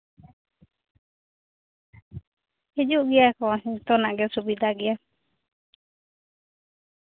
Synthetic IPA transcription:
hid͡ʒuʔɡɛakɔsit̪ɔnaʔɡɛsubid̪aɡɛa

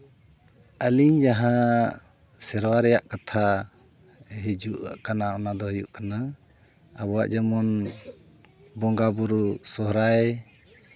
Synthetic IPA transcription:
əliɲd͡ʒaɦã | sɛɾwaɾɛjaʔkat̪ʰa | ɦed͡ʒuʔʔkanaɔnad̪ɔɦəjuʔkana | a̰bɔa̰ʔd͡ʒɛmɔn | bɔŋɡabuɾusɔɦɾaj

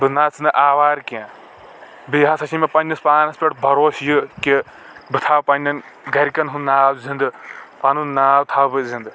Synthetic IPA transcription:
bɨnaːt͡sɨnɨʔaːʋaːɾkiã | biɦãsɐʃʰimɐpɐnʲːɐspaːnɐspʲeʈbʱɐɾoːsjɨki | bɨt̪ʰaːwpɐnʲɐn | ɡɐɾʲkɐnɦunnaːwzind̪ɨpɐnunaːwt̪ʰawbɨzind̪ɨ

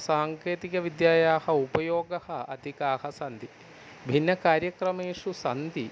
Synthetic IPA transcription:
saːŋkeːt̪ikɐʋid̪jaːjaːhɐupɐjoːɡɐhɐɐ̰d̪ʱikaːhɐsɐnd̪ʱi | bʱinːɐkaːɾjɐkɾɐmeːʂusɐnd̪i

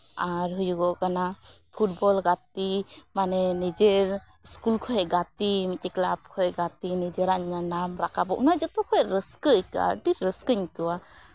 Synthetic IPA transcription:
aɾɦujuɡɔʔkanapʰuʈ̚bɔlɡat̪̚imanɛnid͡ʒeɾ | skulkʰɔɦɛɡat̪imikɛklab̚kʰɔɛɡat̪inid͡ʒeɾaʔɲanamɾakʰabɔʔṵnad͡ʒɔt̪ɔkʰɔjɾəskəʔka̰ɖiɾəskəɲkɯwa

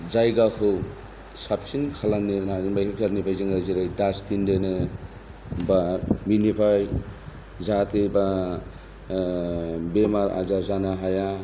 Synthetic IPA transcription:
zajɡakʰɯw | sap̚sinkʰalaŋnenamakʰkʰeɾnibʰʱajzeŋaziɾajdaspindenɯ | baminipʰaj | zatʰeba | bemaɾa̰zazanaɦaja

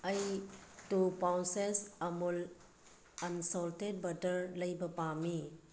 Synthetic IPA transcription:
ɐjtupawnsesɐmul | kɐnsɔlted̚bɐɾdɐɾlɐjbɐpami

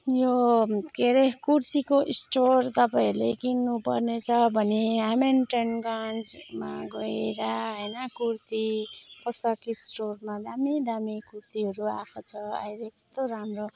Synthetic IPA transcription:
jokeɾekurt̪ikoʔisʈort̪ʌpailekinːupʌrnet͡sʰʌbʱʌneɦamenʈenɡãnd͡zma̰ɡʌeeɾaɦʌjnʌkurt̪ipʌsʌkisʈormad̪amid̪amikurt̪iɦʌɾuakʰot͡sʰʌa̰jɾekʌt̪oɾamro

